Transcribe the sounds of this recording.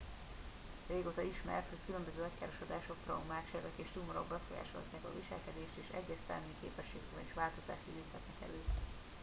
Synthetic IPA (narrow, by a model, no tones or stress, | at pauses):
reːɡoːt̪ɒiʃmɛ̰rt̪ho̞ckylømbøzøːɒckaːɾo̞ʃod̪aːʃo̞k̚p̪rɒwmaːkʃɛɾɛkeːʃt̪umoɾo̰ɡbɛfoja̰ːʃo̰lɒ̰t̪naːkɒ̰viʃɛ̰lkɛd̪eːʃt̪eːʃɛ̰ɟːɛst̪ɛ̰ːmikḛːpɛʃːeːk̪ːbɛniʃʋaːlt̪o̞za̰ːʃiviːshɛt̪nɛkɛ̰løː